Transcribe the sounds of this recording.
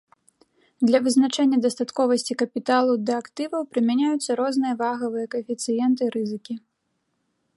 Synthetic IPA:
d̪lʲɐvɨznat͡ʂɛnʲːɐd̪ɐst̪at̪kɔvɐsʲt͡sʲikɐpʲit̪alˠud̪ɐːkt̪ɨvɐwpɾɨmʲanʲajut̪sːɐɾɔznɨjɐvaɣɐvɨjɐkɐɛfʲit̪sɨjɛnt̪ɨɾɨzɨkʲi

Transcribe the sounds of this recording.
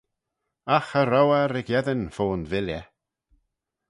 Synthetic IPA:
axəɾɔwaɾɪɡjɛðənfoːnvɪljə

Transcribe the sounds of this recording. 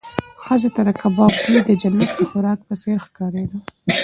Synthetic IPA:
xəzat̪aɾakabɑb̚kid̪əd͡ʒalːasəxʊɾɑk̚pəseɾxkɑɾed̪a

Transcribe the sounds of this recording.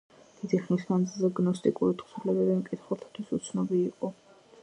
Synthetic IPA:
d̪̥id̪iχnismand̪zilˠzɛɡnɔst̪ʼikʼuɾit̪ʰχsulɛbɛbimkʼit̪ʰχulˠt̪ʰḁt̪ʰwisut̪sʰnɔbiːqʼɔ

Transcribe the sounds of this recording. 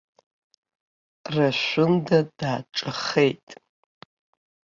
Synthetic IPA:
raʃʷʊndadaːʈ͡ʂʼɨχe̞jtʼ

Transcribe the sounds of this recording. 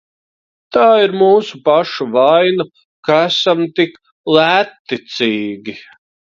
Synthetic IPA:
t̪aːiɾmuːsupaʃuvajna | kaæsamt̪ik | lˠæːt̪ːit̪siːɡʲi

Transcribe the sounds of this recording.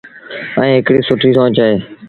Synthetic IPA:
əẽːɦɪkɽiːsʊʈʰiːsãːt͡ʃaːeː

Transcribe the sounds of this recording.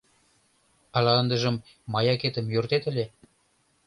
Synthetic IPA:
ɑlɑənd̪ə̆ʒə̆mː | ɑjɑket̪ə̆mjørt̪et̪ə̆lʲe

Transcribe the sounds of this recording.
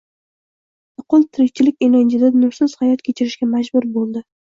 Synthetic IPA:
ʊqʰʊlˠt̪ʰɪɾɪk̚ʲt͡ʃʰɪlɪkʲeland͡ʒɪd̪anʊɾsɪz̥hajɒt̪kʲʰet͡ʃʰɪɾɪʃkʲamad͡ʒbʊɾbolˠd̪ɪ

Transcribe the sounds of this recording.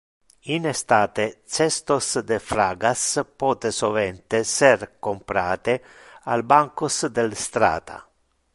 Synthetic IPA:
inest̪aːt̪et͡ʃɛst̪osd̪efɾaːɡaspɔːt̪esovɛnt̪eserkompɾaːt̪e | albaŋkosd̪elst̪ɾa̰ːt̪a̰

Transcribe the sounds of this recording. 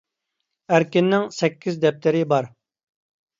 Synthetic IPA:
æɾkʲɪnːɪŋsɛkʲʰːizd̪ɛp̚t̪ʰɪɾɪbɑɾ

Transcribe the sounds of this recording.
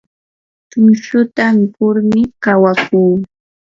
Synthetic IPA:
t̪ʊnʃʊt̪ampʊɾmɪkawakuː

